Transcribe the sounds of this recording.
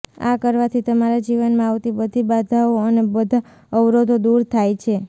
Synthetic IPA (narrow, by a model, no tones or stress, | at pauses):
a̰kəɾʋat̪ʰit̪əmaɾad͡ʒiʋənmãawt̪ibəd̪ʱibad̪ʱaoənebəd̪ʱa | əʋɾod̪ʱod̪uɾt̪ʰajt͡ʃʰe